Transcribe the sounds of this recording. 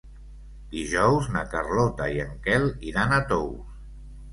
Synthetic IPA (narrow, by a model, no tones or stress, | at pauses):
d̪iʒɔwznakarlɔt̪aiəŋkɛliɾanət̪ows